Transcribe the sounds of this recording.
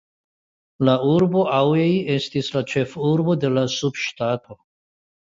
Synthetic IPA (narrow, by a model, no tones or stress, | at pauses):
lauɾbo̞ʔaweje̞stislat͡ʃe̞fuɾbo̞de̞lasubʃtato̞